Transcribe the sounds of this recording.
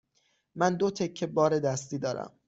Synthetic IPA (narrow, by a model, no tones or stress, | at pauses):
mænd̪o̞t̪ʰe̞kʰːe̞bɒːɾe̞d̪æst̪iːd̪ɒːɾæ̰m